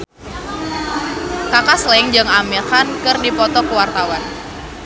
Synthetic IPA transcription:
kakaslɛŋd͡ʒəŋamexankɨrdipɔt̪ɔkəwart̪awan

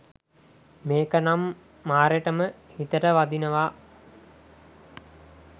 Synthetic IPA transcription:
meːkənamː | aːɾeʈəməhit̪əʈəʋad̪inəʋa

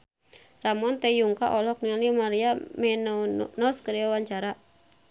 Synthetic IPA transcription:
ramɔnt̪ɛjuŋkaʔɔlɔk̚nialimaɾiamɛnnɔskəɾiawaɲt͡ʃaɾa

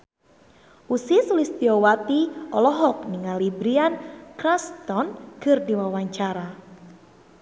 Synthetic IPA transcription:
ʔusisulist̪iɔwat̪iɔlɔɦɔk̚niŋalibɾiankɾast̪ɔnkɨrdiwawaɲt͡ʃaɾa

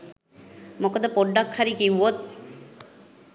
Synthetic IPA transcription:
mokod̪əpoɖːakhaɾikiwot̪̚

